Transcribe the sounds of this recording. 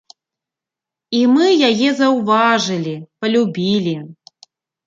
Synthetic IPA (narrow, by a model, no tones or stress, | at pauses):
imɨjajɛzɐwvaʐɨlʲipɐlʲubʲilʲi